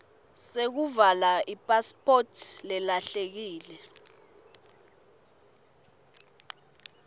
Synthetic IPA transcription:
sek̬uvalaʔipʼaspʰʼotʰlɛlaɬek̬iːlɛ

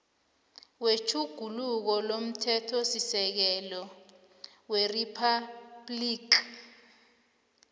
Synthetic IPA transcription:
wet͡ʃʰuɡ̥ʱuluk̬ɔlom̩tʰɛtʰɔsisɛk̬ɛlɔ | weripʰablikʰ

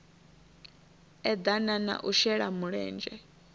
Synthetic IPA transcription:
ɛd̪anana̰ʔuʃɛɺamuɺɛ̰ːnd͡ʒɛ

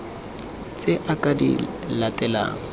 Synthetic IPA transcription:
t͡sʼɪʔakʼadḭ | latʼɛla̰ːŋ̩

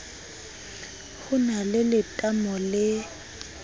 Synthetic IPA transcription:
hʊnalɪlɪtʼamɔlɪ

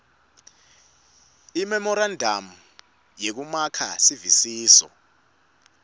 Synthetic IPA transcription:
imɛmɔɾandʱam̩ | jek̬umakʰa̰sivisiːsɔ̰

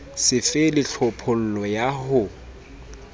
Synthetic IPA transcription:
sɪfɪlɪɬʰɔpʰʊl̩lɔjahʊ

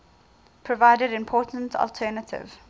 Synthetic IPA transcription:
pʰɹɔvaɪdəɾɪ̃mpʰɔːtən̩tʰɔ̰ltʰɛːnətʰɪ̰v̥

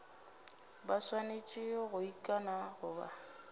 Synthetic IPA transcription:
baswanet͡ʃʼɪɔɣʊikʼanaɣʊba̰

